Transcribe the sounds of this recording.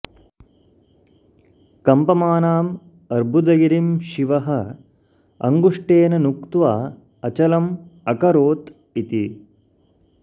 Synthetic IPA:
kɐmpɐmaːnaːm | ɐɾbʱud̪ɐɡiɾimʃiʋɐɦɐ | ɐ̰ŋɡuʂʈeːnɐnukt̪ʋaː | ɐt͡ʃɐlɐmɐkɐɾoːt̪ | it̪i

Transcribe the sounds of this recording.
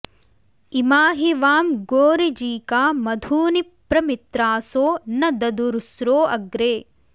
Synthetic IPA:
imaːɦiʋaːmɡoːɾid͡ʒiːkaːmɐd̪ʱuːnipɾɐmit̪ɾaːsoːnɐd̪ɐd̪uɾusɾoːʔɐɡɾeː

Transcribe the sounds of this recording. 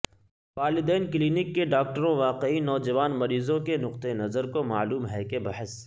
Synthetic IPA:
paːɾlɪd̪ɛːnkliːnɪkːeɖaːk̚ʈəɾõʋaːqeinɔːd͡ʒɐʋaːnmɐɾiːzõkenʊqt̪enɐzəɾkoma̰ːluːmɦɛkebɐɦəs

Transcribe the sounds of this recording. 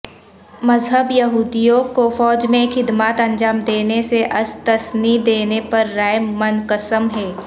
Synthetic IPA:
mɐzɦəbjɐɦuːd̪ijõkofɔːd͡ʒmẽxʰɪd̪maːt̪ɐ̃nd͡ʒaːmd̪eːneseʔɐst̪əsnid̪eːnepɐɾːaːjmɐnkəsəmɦɛː

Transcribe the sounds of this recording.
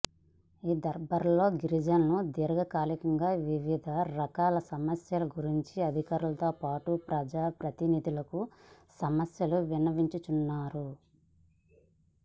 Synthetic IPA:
iːd̪ɐɾbɐɾlo̞ːɡiɾid͡ʒɐnnud̪iɾɐɡɐkaːlikɐŋɡaːʋiʋid̪ʱɐɾɐkaːlɐsɐmɐsjɐlɐɡuɾiɲt͡ʃiɐd̪ʱikaːɾulɐt̪o̞ːpaːʈupɾɐd͡ʒaːpɾɐt̪inid̪ʱilɐkusɐmɐsjɐluʋinɐʋiɲt͡ʃut͡ʃunːaːɾu

